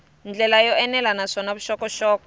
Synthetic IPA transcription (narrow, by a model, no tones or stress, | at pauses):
nd͡ɮɛlajɔɛnɛlanaʂɔnaβuʃɔkɔʃɔːkɔ